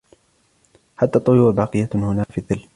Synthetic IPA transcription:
ħat̪ːaːt̪ˤːʊjuːɾbɑːqɨjːahʊnaːfiðːɪlː

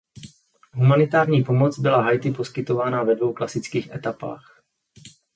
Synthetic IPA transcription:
ɦumanɪt̪aːɾɲiːpo̞mot͡sbɪlaɦajt̪ɪpo̞skɪt̪o̞vaːnavɛdvo̞wklasɪt͡skiːxʔɛt̪apa̰ːx

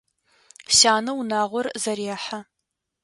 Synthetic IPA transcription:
ɕaːnɐwunaːʁʷɔrzɐɾjaːħa

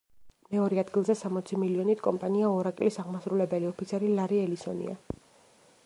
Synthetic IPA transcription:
mɛɔɾiad̪ɡilˠzɛsamɔt̪sʰimiliɔnit̪ʰkʼɔmpʼaniaɔɾakʼlisaʁmasɾulɛbɛliɔpʰit̪sʰɛɾilaɾiɛlisɔ̰nḭa̰

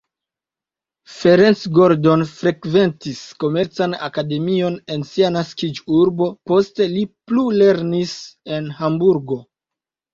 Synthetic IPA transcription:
fe̞ɾensɡo̞ɾdo̞nfɾe̞kve̞ntisko̞me̞ɾt͡sana̰kade̞mio̞ne̞nsianaskid͡ʒuɾbo̞po̞ste̞liplule̞ɾnise̞nhambuɾɡo̞

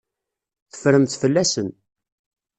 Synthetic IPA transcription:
θə̥fɾəmθfəlːæsən

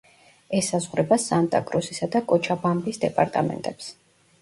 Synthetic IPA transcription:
ɛsːazʁɾɛbasant̪ʼa̰kʼɾusisad̪akʼɔt͡ʃʰabambisd̪ɛpʼaɾt̪ʼamɛ̰nt̪ʼɛps

